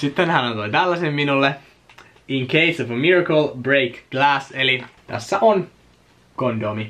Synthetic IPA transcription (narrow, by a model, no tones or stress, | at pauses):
sit̪ːẽnhænot̪oit̪ælːæsemminulːe | iŋkʰeɪsofəmiɹakəlbɹeːkɡ̥læːselit̪æ̰sːæʔon | kondomi